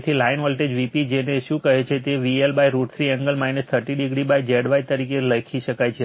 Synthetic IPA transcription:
t̪ʰilainɦɔlʈed͡ʒʋipid͡ʒeneʃũkəɦet͡ʃʰet̪eʋielbajɾuʈt̪ʰɾiɛ̃ŋɡəlmajnəst̪ʰəʈiɖiɡɽibajd͡ʒeɽʋajt̪əɾikeləkʰiʃəkajt͡ʃʰe

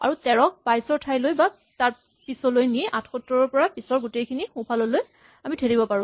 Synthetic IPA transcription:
a̰ɹutɛɹɔk̚pajsɔɹtʰajlojba | taɹ | pisɔlojniʔatʰxɔtɹɔɹɔɹpɔɹapisɔɹɡutejkʰinixʊ̃pʰalɔloj | amitʰeɹibɔpaɹʊ̃

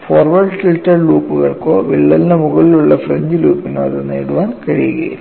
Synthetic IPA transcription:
foːrʋɐrɖfiltːɐrluːpːuɣɐɭkoːʋiɭːɐlnɐmuɣɐɭiluɭːɐfreɲd͡ʑiluːpːinɐ̰ðɐnḛːɽuʋaːnkɐɻijuɣɐ̰jḭl

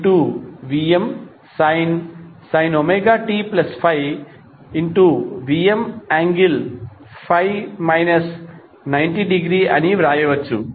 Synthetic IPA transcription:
ʈuʋiːem | sɐjnsɐjnomeːɡaːʈiːplɐspʰɐj | iɳʈuʋiːemaːŋɡil | pʰajmajnɐs | nɐjɳʈiɖiɡɾiːɐ̰niʋɾaːjɐʋɐt͡ʃːṵ

